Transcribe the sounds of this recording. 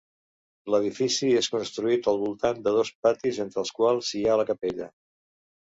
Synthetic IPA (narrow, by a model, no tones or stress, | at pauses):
ləð̞ifisieskunst̪ɾuit̪əlˠβulˠt̪and̪əð̞osp̚at̪izent̪ɾəːlˠskwalˠsialəkəpeʎə